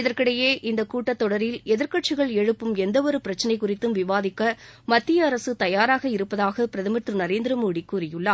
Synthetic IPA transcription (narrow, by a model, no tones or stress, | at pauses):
ɪðɐɾkɪɽɐjeːʔɪnd̪ɐkuːʈːɐt̪ːɔɽɐɾɪlɛðɐɾkɐʈ̚t͡ʃɪɣɐɭɛɻɯpːɯmɛnd̪ɐʋɔɾɯpɪɾɐt͡ʃːɐnɐɪkʊrɪt̪ːɯmʋɪʋaːðɪkːɐmɐt̪ːɪjɐːɾɐsɯt̪ɐjaːɾaːɣɐɪɾɯpːɐðaːɣɐpɪɾɐðɪmɐt̪rɯnɐɾeːnd̪ɾɐmuːɽikːuːɾɪjɯɭːɐː